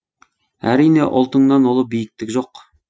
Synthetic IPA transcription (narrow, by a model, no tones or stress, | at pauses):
æɾijneʔolˠt̪əŋnɑnwolˠəp̚bijɪk̚t̪ɪkʲʒoq